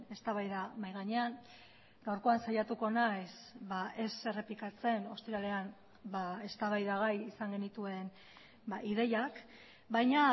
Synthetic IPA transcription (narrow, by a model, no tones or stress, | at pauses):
e̞st̪aβajðamajɣaɲe̞an | ɡawɾko̞ansajat̪uko̞najsbaʔe̞se̞re̞plikat͡se̞no̞st̪iɾale̞an | bae̞st̪aβajðaɣ̞ajisaŋɡe̞nit̪ue̞n | baʔiðe̞jak | bajɲa